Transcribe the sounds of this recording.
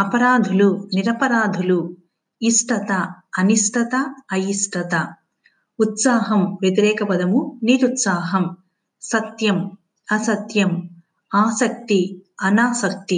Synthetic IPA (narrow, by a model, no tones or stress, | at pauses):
ɐpɐɾaːd̪ʱuluniɾɐpɐɾaːd̪ʱulu | isʈɐt̪ɐɐnisʈɐt̪ɐɐjisʈɐt̪ɐ | ut̪saːɦɐmʋjet̪̬iɾɛːkɐpɐd̪ʱɐmuniːɾut̪saːɦɐm | sɐt̪jɐm | ɐsɐt̪jɐm | aːsɐk̚t̪iɐnaːsɐk̚t̪i